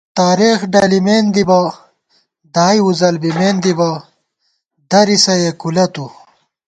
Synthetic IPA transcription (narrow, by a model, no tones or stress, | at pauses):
t̪aːɾeːxɖɐlimeːnd̪ibɐ | d̪aːjuzɐlbimeːnd̪ibɐ | d̪ɐɾisɐjekulɐt̪u